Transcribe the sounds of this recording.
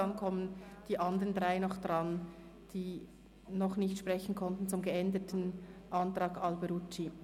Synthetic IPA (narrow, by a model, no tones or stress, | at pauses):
ɑŋkʰɔmənd̥iːʔɑndəʁəndʁaɪnɔχd̥ʁɑn | d̥iː | nɔχnɪçtʃpʁ̥ɛçn̩kʰɔntn̩t͡sʊmɡəɛndətn̩ʔɑntɾ̥ɑːɡɑlbəɾut͡ʃːi